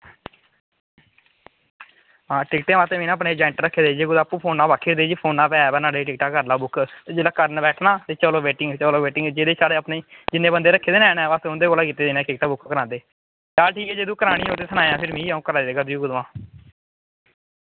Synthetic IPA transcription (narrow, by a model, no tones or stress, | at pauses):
ɦãːʈɪkʈẽːmaːt̪eːmiːnãːpneːd͡ʒaːɪɳʈɾəkʰːeːd̪eːd͡ʒeːɡʊd̪aːpũːpʰoːnaːbaːkʰːiːɾd̪eːd͡ʒiːpʰoːnãːpɛːbɛːnaːɽeːʈɪk̚ʈaːkəɾlaːbʊkʰt̪ːd͡ʒelaːkəɾnbɛːʈʰnãːt̪eːt͡ʃəloːʋeːʈɪŋɡt͡ʃəloːʋeːʈɪ̃ŋɡd͡ʒeːd̪eːsaːɽeːəpneːd͡ʒɪnːeːbənd̪eːɾəkʰːeːd̪eːnɛ̃ːnɛ̃ːʋəsʊnd̪eːɡoːlaːkiːt̪eːd̪eːnɛ̃ːkɪk̚ʈaːbʊkʰkəɾãːnd̪eː | aːlʈʰiːkɛːd͡ʒeːd̪ũːkəɾaːɽĩːoːt̪eːsʰənaːjãːpʰɪɾmĩːũːkəɾaːd̪eːɡəd̪ijuːɡʊd̪ʋãː